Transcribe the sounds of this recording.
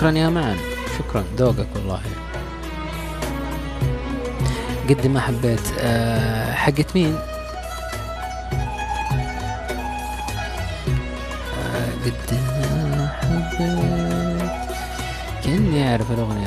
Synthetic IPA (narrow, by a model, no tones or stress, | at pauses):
kɾˤɑnjaːmaʕa̰n | ʃʊkɾˤɑnd̪oːɡakwɑlˤːɑ̰ːhi | ɡad̪ːɪmʔaħabːeːt̪ː | ħaɡːat̪miːn | ɡad̪ːiaħaɡː | kʔɪnːiʔaʕɾɪflʊɣni